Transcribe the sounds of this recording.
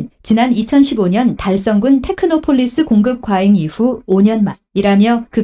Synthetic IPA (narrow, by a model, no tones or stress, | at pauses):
t͡ɕinanit͡ɕʰʌnɕʰiboɲʌntaɭs̬͈ʌŋɡuntʰe̞kʰɯnopʰoɭːis͈ɯkoŋɡɯp̚k͈waeŋiɸuoɲʌnma | iɾamjʌkɯ